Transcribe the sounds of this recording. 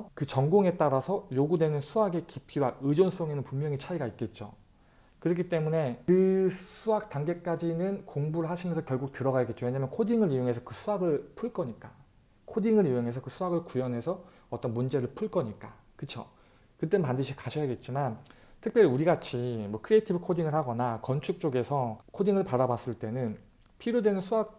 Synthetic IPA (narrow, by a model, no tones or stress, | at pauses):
kɯt͡ɕʌŋɡoŋe̞t͈aɾasʰʌjoɡudwe̞nɯnsʰuaɡe̞kipʰiwaɯd͡ʑons͈oŋenɯnpummjʌŋit͡ɕʰaiɡait̚k͈e̞t̚t͡ɕ͈o̰ | kɯɾʌk̬͈ʰit͈e̞mune̞kɯsʰuak̚t͈aŋɡe̞k͈ad͡ʑinɯnkoŋbuɾɯɭɦaɕʰinensʰʌkjʌɭɡuk̚tɯɾʌɡajaɡet̚t͡ɕ͈owe̞ɲamjʌnkʰodiŋɯɾijoŋɦe̞sʰʌkɯsʰuaɡɯɭpʰuɭk͈ʌɲik͈a | kʰodiŋɯɾioŋɦe̞s̬ʰʌkɯsʰuaɡɯɭkujʌnɦe̞sʰʌ | ʌt͈ʌnmund͡ʑe̞ɾɯɭpʰuɭk͈ʌɲik͈a | kɯt͡ɕʰo | kɯt͈ennpandɯɕ̬ʰikaɕʰʌjaɡe̞t̚t͡ɕ͈imantʰɯkpjʌɾiuɾiɡat͡ɕʰimwʌkʰɯɾietʰibɯkʰodiŋɯɭhaɡʌnakʌnt͡ɕʰuk̚t͡ɕ͈oɡe̞sʰʌkʰodiŋɯɭpaɾabas͈ɯɭt͈e̞nɯn | pʰiɾjodwe̞nɯnsʰuak̚